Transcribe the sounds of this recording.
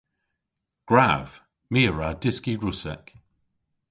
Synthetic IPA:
ɡ̥ɹav̥ | miːɹadɪskiɹʊsɛ̰k

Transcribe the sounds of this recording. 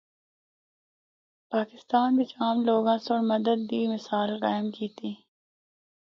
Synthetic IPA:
paːkɪst̪aːnbit͡ʃaːmloːɡãːsoɾmɐd̪əd̪̚ːiːmɪsaːlqaːɪmkiːt̪iː

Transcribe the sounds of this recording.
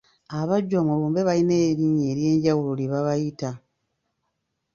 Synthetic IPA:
aβaɟwamuluːmbe̞βalineːɾiɲe̞ːɾje̞ːɲɟawuloliβaβajita

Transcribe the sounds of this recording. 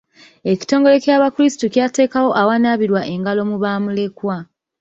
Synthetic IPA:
e̞ci̥to̞ːŋɡo̞le̞cjaːβakuɾisi̥tucjaːte̞ːkawo̞ʔawanaβiɾwaʔe̞ŋɡalo̞muβaːmule̞kwa

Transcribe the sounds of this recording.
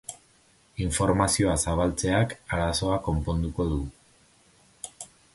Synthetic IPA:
iɱfo̞ɾmasio̞asaβalt͡se̞akaɾaso̞ako̞mpo̞nd̪uko̞ðu

